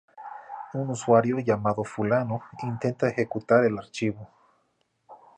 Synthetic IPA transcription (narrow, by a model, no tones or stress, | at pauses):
unuswaɾjoʝamaðofulanoint̪ent̪aexekut̪aɾelaɾt͡ʃiβo